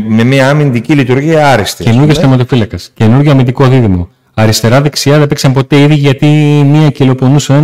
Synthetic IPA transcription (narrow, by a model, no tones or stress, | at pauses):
me̞miɐɐːmind̪icilit̪uɾʝiɐɐɾist̪ece̞nuɾʝost̪emɐt̪o̞filɐkɐsce̞nuɾʝo̞ɐmind̪ikoðiðimo̞ | ɐɾist̪e̞ɾɐðe̞ksiɐðeepeksɐmpo̞t̪e̞iðiʝɐt̪imiɐcilo̞po̞nusɐe